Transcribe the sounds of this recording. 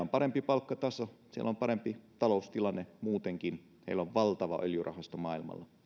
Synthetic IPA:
ompɑɾempipɑlkːɑt̪ɑsosiḛlompɑɾempit̪ɑloust̪ilɑnːemuːt̪eŋkin | hḛiloʋʋɑlt̪ɑʋɑʔøljurɑ̰hɑst̪omɑːilmɑ̰lːɑ

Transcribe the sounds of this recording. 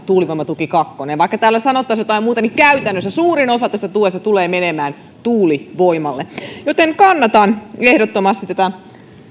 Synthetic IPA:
t̪uːliʋoimɑt̪ukikɑkːoneʋɑikːɑt̪æːlːæsɑnot̪ːɑsjot̪ɑimuːt̪ɑnikkæyt̪ænːøsːæsuːɾinosɑt̪æsːæt̪uesːɑt̪uleːmenemæːn | t̪uːliʋoimɑlːejot̪eŋkɑnːɑt̪ɑnehdot̪ːomɑst̪it̪t̪æt̪æ

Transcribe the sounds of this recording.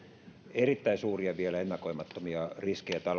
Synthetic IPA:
erit̪ːæisuːriɑʋielæenːɑkoimɑt̪ːomiɑriskejæt̪ɑl

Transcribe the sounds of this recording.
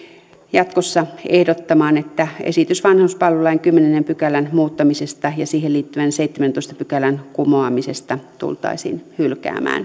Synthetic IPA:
jɑt̪kosːɑehdot̪ːɑmɑːnet̪ːæḛsit̪ysʋɑnhɑuspɑlʋelɑiŋkymːenenempykælænmuːt̪ːɑmisest̪ɑjɑsiːheliːt̪ːyʋænseit̪ːement̪oist̪ɑ̥pykælænkumoɑmisest̪ɑt̪ṵlt̪ɑ̰isḭːnhylkæ̰ːmæ̰ːn

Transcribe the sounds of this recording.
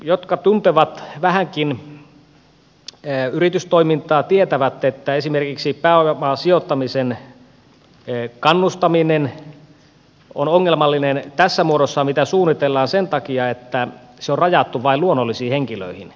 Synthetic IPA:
jot̪kɑt̪unt̪eʋɑt̪ʋæhæŋkin | yrit̪yst̪oimint̪ɑːt̪iet̪æʋæt̪ːet̪ːæesimerkiksipæːoemɑːsiot̪ːɑmisen | kɑnːust̪ɑminen | onoŋːelmɑlːinent̪æsːæmuodosːɑmit̪æsuːnːˑit̪elːɑːnsent̪ɑkiɑet̪ːæ | seorrɑjɑt̪ːuʋɑiluonːolːisiːheŋkilø̰ihḭn

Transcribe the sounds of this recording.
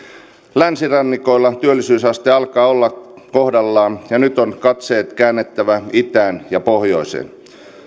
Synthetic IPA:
lænsirɑnːikoilːɑt̪yølːisyːsɑst̪eɑlkɑːolːɑ | kohdɑlːɑːnjɑnyt̪onkɑt̪seːt̪kæːnːet̪ːæʋæit̪æːnjɑpohjo̞isḛn

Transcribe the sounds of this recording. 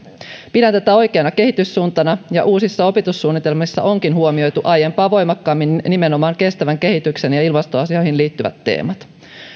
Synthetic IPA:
pidænt̪et̪æo̞jke̞ɑnɑke̞ɦit̪ysːuːnt̪ɑnɑjɑʔuːsisːɑo̞pit̪usːuːnːit̪e̞lmisːɑ̰ʔo̞ŋkinɦuomio̞jt̪uʔɑjempɑːʋo̞jmɑkːɑːmːinːime̞no̞mɑːŋke̞st̪æʋæŋke̞ɦit̪ykse̞njɑilmɑst̪oɑsiojhinliːt̪ːyʋæ̰t̪ːe̞̰ːmɑt̪

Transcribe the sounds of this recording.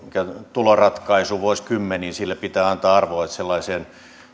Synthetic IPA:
mikæt̪ulorɑt̪kɑisuʋuoskymːeniːnsilːæpit̪æːɑnt̪ɑːɑrʋoet̪selːɑisen

